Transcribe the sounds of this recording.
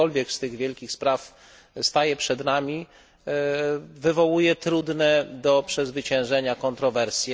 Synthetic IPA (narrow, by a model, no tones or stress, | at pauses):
ɔlvʲjɛkst̪ɘɣvʲjɛlkʲixspɾaf | st̪ajɛpʂɛd̪namʲi | vɘvɔwujɛt̪ɾud̪nɛd̪ɔpʂɛzvɘt͡ɕɛ̃w̃ʐɛɲakɔnt̪ɾɔvɛɾsʲjɛ